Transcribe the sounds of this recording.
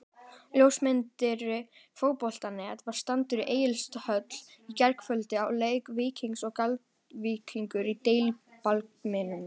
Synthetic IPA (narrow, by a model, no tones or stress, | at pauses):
ljowsmɪnt̪ɪɾɪfoːwpɔl̥t̪anːɪɛt̪vaɾ̥st̪ant̪ʏɾiʔeːjɪlst̪hœt̪l̥icɛɾkfœlt̪ɪawleːjkvɪːcʰiŋksɔɣkalt̪ | viːkʰiŋkʏɾit̪eːjlipalk̚mɪnʏm